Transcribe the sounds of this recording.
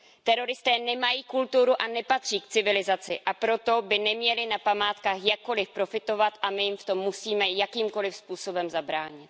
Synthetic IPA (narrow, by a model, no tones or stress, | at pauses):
t̪ɛɾo̞ɾɪst̪ɛːnɛmajiːkult̪uɾuʔanɛpat̪r̝̥iːkt͡sɪvɪlɪzat͡sɪ̰ʔapɾo̞t̪o̞bɪnɛmɲɛlɪnapamaːt̪kaːxjakːo̞lɪfpɾo̞fɪt̪o̞vat̪ʔamɪjɪmft̪o̞mːusiːmɛjakiːmko̞lɪfspuːso̞bɛmzabɾaːɲɪt̪